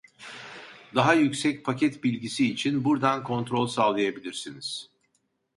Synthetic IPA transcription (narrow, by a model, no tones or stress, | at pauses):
d̪aɦajycsɛc̚pʰacʰɛt̪bilʲɟisiːt͡ʃʰinbuɾd̪ankʰo̞nt̪ɾo̞lʲsalˠajabilʲiɾsiniz̥